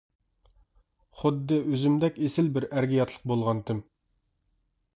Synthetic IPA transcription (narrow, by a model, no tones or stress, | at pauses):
χʊd̪ːɨʔøzymd̪ɛkʲesɪlbɪɾæɾɡʲijɑt̪ʰlˠəq̚bolˠʁɑnt̪ʰɪm